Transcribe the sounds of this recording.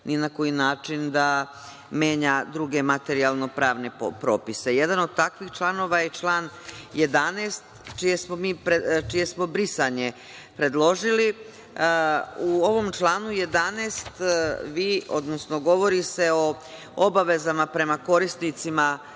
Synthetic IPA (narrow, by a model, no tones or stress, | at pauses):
ninako̞jinaːt͡ʃind̪a | me̞ːɲad̪ɾuɡe̞mat̪e̞ɾialˠno̞pɾaːʋne̞opɾo̞ːpise̞je̞d̪ano̞d̪̚t̪akʋixt͡ʃlˠano̞ʋajet͡ʃlˠaːnje̞d̪anest̪t͡ʃije̞smo̞miːpɾet͡ʃije̞smo̞bɾisaɲe̞ | pɾe̞d̪lˠo̞ʒili | uo̞ʋo̞mt͡ʃlˠaːnuje̞d̪anest̪ʋiːo̞̰d̪no̞sno̞ɡo̞ʋo̞ɾise̞o̞ | obaʋe̞zamapɾe̞mako̞ɾist̪nit̪sima